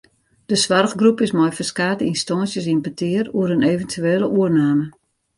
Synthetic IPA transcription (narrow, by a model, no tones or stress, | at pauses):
d̥əsʋarɣɡrupɪsmɔjfəskaːtəinstɔnsjəs̬inbətʰɪəruəɾəneːvəntʰyeːləʔuərnaːmə